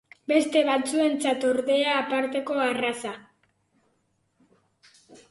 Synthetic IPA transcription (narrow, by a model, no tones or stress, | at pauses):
be̞st̪e̞βat͡sue̞nt͡sat̪o̞ɾðe̞aːpaɾt̪e̞ko̞arasa